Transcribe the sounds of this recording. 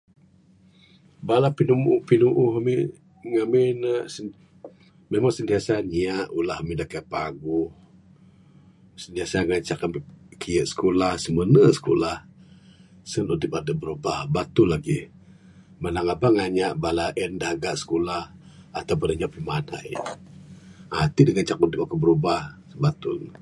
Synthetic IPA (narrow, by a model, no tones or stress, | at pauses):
balapinumupinuʔuhami | ŋaminəʔsə | memaŋsənt̪iasaɲiaʔulahamidakapaɡuh | sənt̪iasaŋaɲt͡ʃakankiəʔsə̥kolahsəmənəsə̥kolah | sənudipadəbəɾubahbat̪ulaɡi | manaŋabaŋaɲaʔbalaʔəndahɡaʔsə̥kolah | at̪awbənəɲaʔpimana̰j | a̰t̪idəŋat͡ʃakundɪkakəbəɾubahsəbat̪ʊ̰n